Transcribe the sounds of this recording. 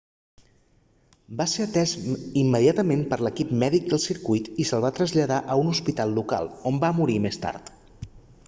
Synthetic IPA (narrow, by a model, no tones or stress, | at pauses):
baseɾət̪ɛzimːəðiat̪əmempəɾləkipmɛðik̚d̪əlˠsiɾkujt̪isəlˠβat̪ɾəzʎəðaʔəunuspit̪alˠːuka̰lˠombamuɾimest̪a̰ɾt̪